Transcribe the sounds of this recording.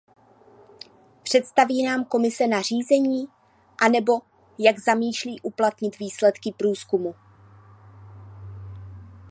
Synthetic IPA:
pr̝̥ɛt̪st̪aviːnaːmko̞mɪsɛnar̝iːzɛɲiː | ʔanɛbo̞ | jaɡzamiːʃliːʔuplat̪ɲɪt̪viːslɛt̪kɪpɾuːskumu

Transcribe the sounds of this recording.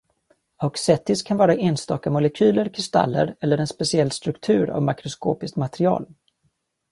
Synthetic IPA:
aksɛt̪ːɪskʰanvɑːɾaʔeːnst̪ɑːkamʊlɛkʰyːləɾkʰɾɪst̪a̰lːə̰ɾɛlːəɾɛnspɛsɪɛlːst̪ɾɵkt̪ʰʉ̟ːɾa̰vmakɾʊskoːpɪskmat̪ɾɪɑ̰ːl

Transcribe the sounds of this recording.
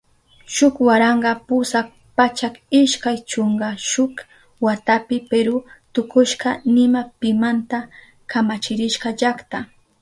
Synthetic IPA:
ʃʊkwaɾɑɴɢɑpʊsak | pat͡ʃakɪʃkajt͡ʃoɴɡɑʃʊk | wat̪apɪpeɾʊt̪ʊkʊʃɢɑnɪmapɪmant̪a | kamat͡ʃɪɾɪʃɢɑʒakt̪a

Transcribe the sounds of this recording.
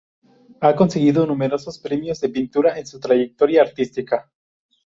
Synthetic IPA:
ako̞nseɣ̞iðonume̞ɾo̞sospɾemjo̞zðe̞pint̪uɾaensut̪ɾaʝek̚t̪o̞ɾjaːɾt̪ist̪ika

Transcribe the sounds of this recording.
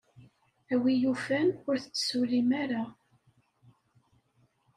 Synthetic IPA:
æwijufænʊɾθət͡sːə̥sulimaɾa

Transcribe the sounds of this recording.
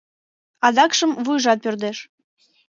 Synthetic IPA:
ɑd̪ɑkʃəmvujʒɑt̪̚pørd̪eʃ

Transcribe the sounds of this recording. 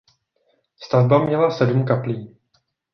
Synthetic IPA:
st̪avbamɲɛlasɛdumkapliː

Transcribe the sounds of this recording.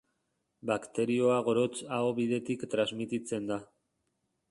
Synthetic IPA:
bakt̪e̞ɾio̞aɣo̞ɾo̞t͡saoβiðe̞t̪ikt̪ɾazmit̪it͡se̞nd̪a

